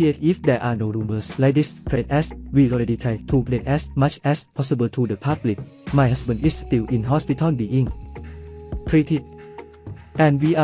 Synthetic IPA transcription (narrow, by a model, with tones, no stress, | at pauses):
iefifdɛ˧ʔaː˧no˧ɾu˧mə˧slak̚di˥spʰle˧t̚ɛswiːɔɹe˧di˧t̪ʰɹa˧jt̪ʰupletʔɛsma˦t͡ʃʰʔɛspʰɔ˦˥sibəlt̪ʰudəpʰa˦˥blik̚ | ma˧jɦa˥sbə̃˧ndʔisst̪i˧wʔi˧nɦɔ˥spi˧t̪ʰɔnbi˧ʔiŋ | kʰɾi˧t̪ʰit̚ | ʔɛ̃˧nwiː˧ʔa